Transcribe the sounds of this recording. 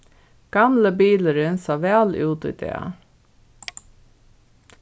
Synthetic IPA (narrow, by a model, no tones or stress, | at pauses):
ɡ̥ɑmləbiːləɾɪnsɑːʋæːlʉːt̪ḭːd̪ḛːɑ̰